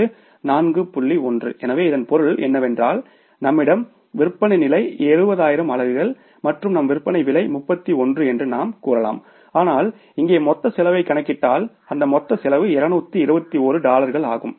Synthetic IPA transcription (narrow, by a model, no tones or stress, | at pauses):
ɯ | naːnɡɯpʊɭːiɔndrɯ̰ʔɛnɐʋeːɪðɐnpɔɾɯɭɛ̰nːɐʋɛndraːl | nɐmːɪɽɐm | ʋɪɾɯpːɐɳɐɪnɪlɐɪeːɾɯbɐðaːjɪɾɐmɐlɐɾɣɐɭ | mɐʈrɯmnɐmʋɪɾɯpːɐɳɐɪʋɪlɐɪmʊpːɐt̪ːiɔndrɯɛndrɯnaːmkuːɾɐla̰ːm | aːnaːl | ɪŋɡeːmɔt̪ːɐsɪlɐʋɐɪkːɐɳɐkːɪʈːaːl | ɐnd̪ɐmɔt̪ːɐsɪlɐʋɯɪɾɐnuːt̪ːiɪɾɯbɐt̪ːioːɾɯɖaːlɐɾɣɐɭa̰ːɣɯm